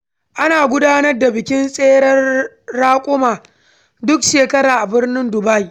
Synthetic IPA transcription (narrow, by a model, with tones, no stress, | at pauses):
ʔa˦naː˨ɡʷʊ˦daː˦nɐ˦rda˨bɪ˨kʲɪ˦nsʼeː˦ɽɐ˦rː | aː˦kʷʼʊ˦maː˨ | dʊ˦kʃeː˨kɐ˦ɾaː˨ʔa˨bɪ˦rnɪ˦ndʊ˨ba˦j